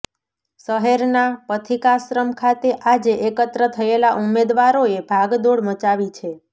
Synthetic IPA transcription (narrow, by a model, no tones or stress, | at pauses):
səɦeɾnapət̪ʰikasɾəmkʰat̪eʔad͡ʒeʔekət̪ɾət̪ʰəelaʔumed̪ʋaɾoebʱaɡd̪oɽmət͡ʃaʋit͡ʃʰe